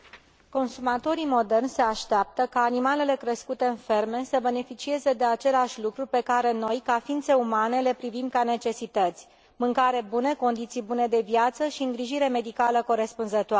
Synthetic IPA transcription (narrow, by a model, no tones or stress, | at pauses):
ko̞nsumat̪o̞ɾimo̞d̪e̞rnʲse̞aʃt̪eap̚t̪əkaːnimale̞le̞kɾeskut̪e̞ɨnfe̞rme̞səbe̞ne̞fit͡ʃie̞ze̞d̪e̞at͡ʃe̞leaʃʲlukɾupe̞kaɾe̞no̞jkafint̪se̞umane̞le̞pɾivimkane̞t͡ʃe̞sit̪ət̪sʲ | mɨŋkaɾe̞bune̞ko̞nd̪it̪sijbune̞d̪e̞vjat̪səʃiɨŋɡɾiʒiɾe̞me̞d̪ikaləko̞ɾe̞spunzət̪oa